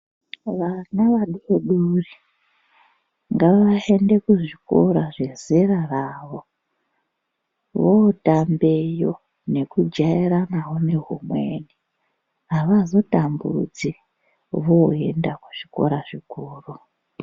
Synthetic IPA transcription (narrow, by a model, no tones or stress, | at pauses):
ʋanaʋaɗueɗuri | ŋɡaʋaende̞kuʐiko̞̰ɾaʐe̞ziraraːʋo̞ | ʋotambejo̞̰ | ne̞kud͡ʒaiɾanawo̞ne̞ɦumwe̞ni | ɦaʋazo̞tambud͡zi | ʋoendakuʐ̥iko̞̰ɾaʐikuːru